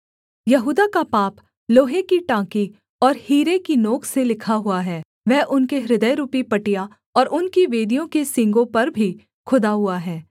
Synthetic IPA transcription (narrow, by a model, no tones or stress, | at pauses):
jɐɦuːd̪akapaːp | loːɦekiʈãːki | ɔːɾhiːɾekinoːkʰselɪkʰaɦʊaɦɛː | ʋɛɦʔʊnkeɾɪd̪əjɾuːpipɐʈija | ɔːɾʊnkiʋeːd̪ijõkesɪ̃ŋɡõpɐɾbʱi | kʰʊd̪aɦʊaɦɛː